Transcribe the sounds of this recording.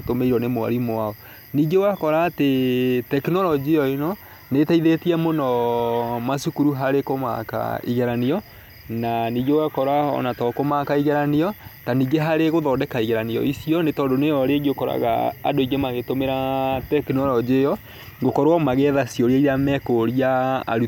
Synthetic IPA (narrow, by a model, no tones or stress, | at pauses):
tomeiɾɔnemoa̰ɾimoaɔ | niːɡewakɔɾaːtetɛkinɔɾɔd͡ʒiejɔinɔ | netaiðetiɛmonɔ | masukuɾuɦaɾekoma̰ka̰ḭɣɛɾaniɔ | naniːɡewakɔɾaɔ̰natɔkomakaiɣɛɾaniɔtaniɡeɦaɾeɣoðɔːdɛkaiɣɛɾaneɔ̰isiɔnetɔːndonejɔɾeɡokɔɾa̰ɣa̰ːdoiɣemaɣetomeɾatɛkinɔɾɔd͡ʒejɔ | ɡokɔɾwamaɣɛðasijɔɾaiɾamɛkoɾia̰ːɾu